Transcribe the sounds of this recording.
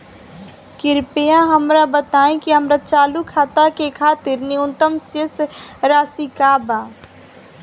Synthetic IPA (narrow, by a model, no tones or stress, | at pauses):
kɪɾpejãɦəmɾabət̪aːẽkiɦəmɾat͡ʃaːlukʰaːt̪akekʰaːt̪ɪɾniʊnt̪əmsəsɾaːsikaːbaː